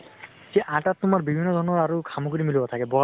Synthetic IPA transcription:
ziʔãʈat̪ːumaɹbibʱinːɔd̪ʱɔɹnɔɹaɹukʰamɔkoɾimilubat̪ʰakɛbɔ

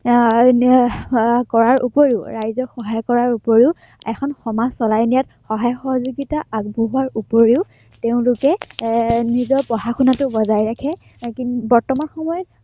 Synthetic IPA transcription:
kɔɹaɹṵpoɹiʊwɹajzɔxɔɦajɔkɔɹaɹupoɹiʊ | ɛkʰɔnxɔmasɔlajnijat | xɔɦajɔxɔɦɔzuɡitaaɡ̚bʱuɦaɹupoɹiʊ | teʊ̃lʊkɛ | nizɔpɔɦakʰunatʊbɔzajɹakʰɛ | kibɔɹtɔmanxɔmɔjɔt

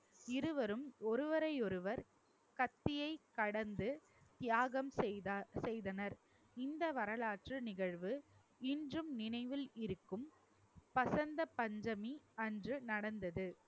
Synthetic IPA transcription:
ɪɾɯʋɐɾɯmɔɾɯʋɐɾɐɪɔɾɯʋɐɾ | kɐt̪ːɪjɐɪkːɐɽɐnd̪ɯ | t̪jaːɣɐmsɛjðɐnɐɾ | ɪnd̪ɐʋɐɾɐlaːʈrɯnɪɣɐɻʋɯ | ɪndrɯmnɪnɐɪʋɪlɪɾɯkːɯm | pɐsɐnd̪ɐpɐɲd͡ʒɐmiɐndrɯnɐɽɐnd̪ɐðɯ

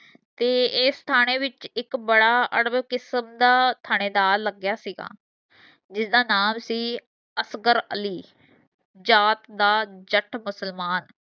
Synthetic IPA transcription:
t̪eːɪːst̪ʰaːɽ̃eːʋɪt͡ʃɪkbəɽaːʔəɽəbkɪsəmd̪aːt̪ʰaːɽ̃eːd̪aːɾləɡjaːsiːɡa̰ː | d͡ʒɪsd̪aːnaːmsiː | əsɡəɾə̰liː | d͡ʒaːt̪d̪aːd͡ʒəʈʰmʊsəlmaːn

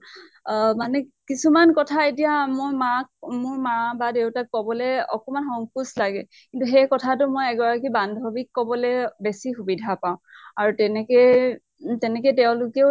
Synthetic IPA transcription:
manɛkisumankɔtʰaetijamojmakmʊɹmabadewtakːɔbɔlɛɔ̰kɔmanxɔŋkuslaɡɛ | kintuxɛjkɔtʰatʊmojɛɡɔɹakibandʱɔbikːɔbɔlɛbesixubidʱapaʊ̃aɹutɛnɛkɛ | tɛnɛkɛteʊ̃lʊke

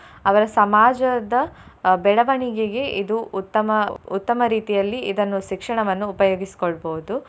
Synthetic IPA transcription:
ɐʋɐɾɐsɐmaːd͡ʒɐd̪ɐbɛɭɐʋɐɳiɡeɡe̞ʔid̪uut̪ːɐmɐut̪ːɐmɐɾiːt̪ijɐlːiʔid̪ɐnːuʃikʂɐɳɐʋɐnːuːpɐjoːɡisi̥koɭboʋud̪u

